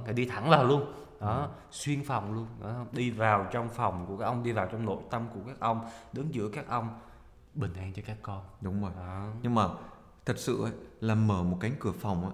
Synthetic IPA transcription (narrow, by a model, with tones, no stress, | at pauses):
naː˨˩ɗi˧t̪ʰa˧˩ŋvaː˨˩wlu˧ən | ɗɔ˨˦ | swi˧ənfa˨˩wŋ͡mlu˧ənɗɔ̰˨˦hwŋ͡mɗi˧vaː˨˩wt͡ɕɔ˧wŋ͡mfɔ˨˩wŋ͡mku˧˩kaː˦k̚ʔwŋ͡mɗi˧vaː˨˩wt͡ɕɔ˧wŋ͡mno̰˧˥˨jt̪ə˧mku˧˩əkaː˦˥k̚ʔə˧wŋ͡mɗɨ˨˦nzɨ̰˧˥əkaː˦˥k̚ʔə˧wŋ͡m | ɓï˨˩ŋ̟ʔaː˧nt͡ɕɔ˧kaː˦˥kːɔ˧nɗʊ˨˦wŋ͡mzo˨˩jɔ˨˦ɲɨ˧ŋmaː˨˩ | t̪ʰə˨˩t̚sɨ̰˧˨ə˨˦laː˨˩məː˧˩mo˨˩t̚ka˨˦jŋ̟kɨ˧˩əfa˨˩wŋ͡mʔa̰ː˧˦